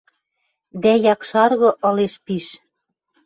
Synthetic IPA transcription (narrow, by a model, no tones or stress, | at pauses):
d̪æjɑkʃɑrɣɤ̆ʔɤ̆leʃpiʃ